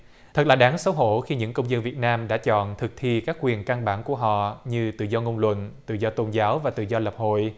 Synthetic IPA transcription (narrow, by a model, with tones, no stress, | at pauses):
t̪ʰə˨˩t̚laː˨˩ɗaː˨˦ŋsə˨˦wɦo˧˩xi˧ɲɨ̰˧˥ŋkə˧wŋ͡mzə˧nvi˨˩ət̚naː˧mɗa̰ː˧˥t͡ɕɔ̰˧˨nt̪ʰɨ˨˩k̚t̪ʰi˧kaː˦˥k̚kwi˨˩ənka˧nɓaː˧˩nku˧˩əɦɔ̰˧˨ɲɨ˧t̪ɨ̰˧˨zɔ˧ŋo˧wŋ͡mlwə̰˧˨nt̪ɨ̰˧˨zɔ˧t̪o˧nzaː˨˦wvaː˨˩t̪ɨ̰˧˨zɔ˧lə˨˩p̚ho̰˧˨j